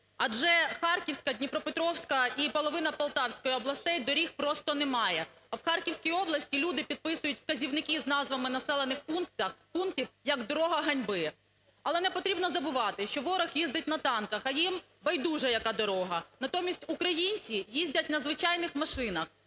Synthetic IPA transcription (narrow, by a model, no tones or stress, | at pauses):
ɐd͡ʒɛxɑrkʲiwsʲkɐd̪ʲnʲipɾɔpɪt̪ɾɔwsʲkɐipɔlˠɔʋɪnɐpɐlˠt̪ɑwsʲkɔjiɔblˠɐst̪ɛjd̪ɔɾʲixpɾɔst̪ɔnɛmɑjɛ | ɐwxɑrkʲiwsʲkʲijɔblˠɐsʲtʲilʲud̪ɪpʲid̪̚pɪsʊjʊtʲwkɐzʲiwnɪkɪznɑzʋɐmɪnɐsɛlˠenɪxpunkt̪ɐxpunk̚tʲiwjɐɡd̪ɔɾɔɦɐɦɐnʲbɪ | ɐlˠɛnɛpɔt̪ɾʲibnɔzɐbʊʋɑt̪ɪʃt͡ʃɔʋɔɾɔxjizd̪ɪt̚ʲnɐt̪ɑnkɐxɐjim | bɐjd̪uʒɛjɐkɑd̪ɔɾɔɦɐnɐt̪ɔmʲisʲtʲukɾɐjinʲt͡sʲijizʲdʲɐt̚ʲnɐzʋɪt͡ʃɑjnɪxmɐʃɪnɐx